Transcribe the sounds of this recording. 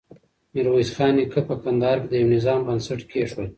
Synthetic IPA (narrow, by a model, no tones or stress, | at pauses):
miɾwejsxɑːnekʰəpəkand̪ɑːɾkd̪əjawnɪzɑːmbənsaʈkʰeʂwal